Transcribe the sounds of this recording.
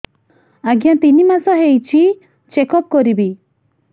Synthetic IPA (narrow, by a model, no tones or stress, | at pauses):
aɡjat̪inimasɔɦejt͡ʃʰi | t͡ʃekɔp̚kɔɾibi